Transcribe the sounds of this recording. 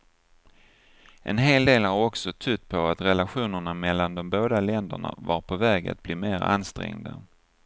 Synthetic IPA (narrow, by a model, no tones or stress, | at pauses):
ʔɛ̰nɦeːld̪eːlaɾɔksɔt̪ʰɵt̪̚ːpʰɔat̪ɾɛlaɧuːnəɳamɛlːand̪ɔmboːd̪alɛnd̪ə̰ɳa̰vaɾpʰɔvɛːɡa̰t̪̚bliːmeːɾa̰nst̪ɾɛ̰ŋd̪ə̰